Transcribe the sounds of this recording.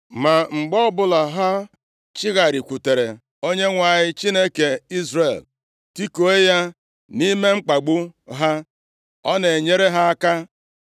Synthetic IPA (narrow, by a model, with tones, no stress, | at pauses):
ma˨ŋ͡m̩˨ɡ͡bɔ˦bʊ˦la˨ɦa˦ | t͡ʃɪ˦ɣa˨ɾi˨kʷu˨te˨ɾe˨ | o˦ɲe˦ŋʷa˨ɲɪ˦t͡ʃi˦ne˦ke˨i˦zre˨l | ti˦ko˨e˦ja˦ | ni˦me˦ŋ͡m̩˦k͡pa˨ɡ͡bʊ˦ɦa˦ | ɔ˦ne˨ɲe˦ɾe˦ɦa˦a˦ka˦